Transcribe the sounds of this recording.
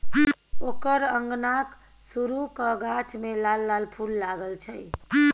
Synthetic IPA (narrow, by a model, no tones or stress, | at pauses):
okəɾəŋɡnak | suɾukəɡat͡ʃʰmelalːalpʰulːaɡəlt͡ʃʰəj